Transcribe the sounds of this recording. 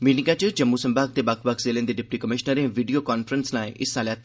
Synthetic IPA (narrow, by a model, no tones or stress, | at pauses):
ʋinɪkãt͡ʃəd͡ʒəmːuːsəmbaːk̚d̪eːbakʰbəkʰzeːlẽːnd̪eːɖɪp̚ʈiːkəmɪʃnəɾẽːʋiːɖijoːkaːnpʰəɾənsnaːiʔɪsːãːljaːt̪ː